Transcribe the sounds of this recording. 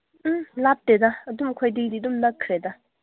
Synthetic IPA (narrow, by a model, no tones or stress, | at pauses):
lap̚tedaɐdumɐkʰojdiɡdidumlɐkʰːɾeda